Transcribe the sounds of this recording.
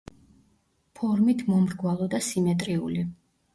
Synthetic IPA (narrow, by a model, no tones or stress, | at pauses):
pʰɔɾmit̪ʰmɔmɾɡwalˠɔd̪asimɛt̪ʼɾiuli